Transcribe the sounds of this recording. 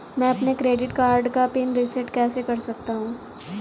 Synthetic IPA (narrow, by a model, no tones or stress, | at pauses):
mɛ̃ɐpnekɾeːɖɪʈkaːɾɖkapɪnɾɪsɛʈkɛːsekɐɾsɐk̚t̪aɦũː